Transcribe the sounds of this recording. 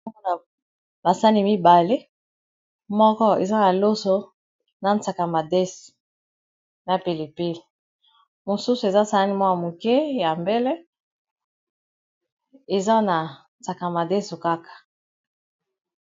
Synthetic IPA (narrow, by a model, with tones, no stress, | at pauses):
na˨ | ba˨sa˦ni˦mi˦ba˨le˦ | mɔ˦kɔ˦ḛ˨za˦na˨lo˦so˦ | na˨nt͡sa˨ka˨ma˨de˦so̥˨ | na˨pe˨li˨pi˦l | mo˨su˦su˨e˨za˦sa˦ni˦mwa˦ja˨mo˨kɛ˦ja˨mbe˦le˦ | e˨za˦na˨n˨t͡sa˨ka˨ma˨de˦so˨ka˦kḁ˨